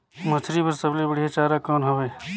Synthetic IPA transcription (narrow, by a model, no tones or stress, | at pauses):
mɐt̪ʰɾipəɾsəblibəɽijat͡ʃaːɾakoːnɦoʋeː